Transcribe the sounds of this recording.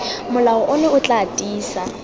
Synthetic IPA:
mʊlaɔʔʊneʊt͡ɬʼatʼiːsa

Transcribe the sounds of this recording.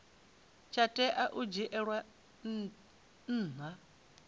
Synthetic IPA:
t͡ʃʰatʼɛʔaʔud͡ʒiʔɛɺwa | n̩ːna

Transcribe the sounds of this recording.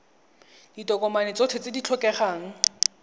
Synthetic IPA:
ditɔkɔmanɪt͡sɔtʰet͡sɪdit͡ɬʰɔkɛχaːŋ̩

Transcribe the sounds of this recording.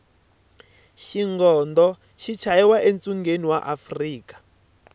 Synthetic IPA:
ʃiŋɡɔːndɔ | ʃit͡ʃʰajɛwaʔent͡sʼuŋɡeniwaʔafriːkḁ

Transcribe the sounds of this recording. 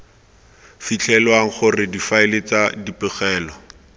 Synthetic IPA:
fit͡ɬʰɛlwaŋ̩χʊrɪdifaɪlɪt͡sadipɪχɛːlɔ

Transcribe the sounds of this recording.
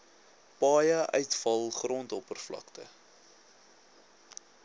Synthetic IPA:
pɑːjəʔœɥtfɐlˠχrɔntɔpərflɐ̰ktə̰

